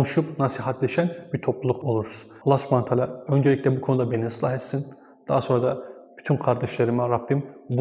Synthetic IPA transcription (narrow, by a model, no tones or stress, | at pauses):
onuʃupnasiɦat̪ʰlʲeʃænbiɾt̪ʰo̞plˠulˠuqʰo̞lˠuɾuz̥ | lˠasmant̪ʰalʲaø̞nd͡ʒelʲicʲlʲɛbukʰo̞nud̪abenislˠaɦet̪sin | d̪̥aːaso̞nɾad̪ab̥yt̪ʰynkʰaɾd̪aʃlˠaɾɯmɛɾapʰːimbu